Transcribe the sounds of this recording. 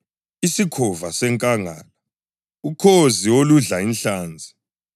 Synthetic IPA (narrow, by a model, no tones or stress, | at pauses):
isikʰɔvasɛŋkʼaŋa̰ːla | ukʰoziwoluɮainɬaːnd͡zʱi̥